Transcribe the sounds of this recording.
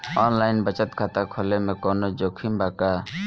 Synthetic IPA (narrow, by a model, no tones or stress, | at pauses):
ɔːnlaːɪnbət͡ʃət̪kʰaːt̪aːkʰoːleːmẽːkoːnoːd͡ʒoːkʰiːmbaːkaː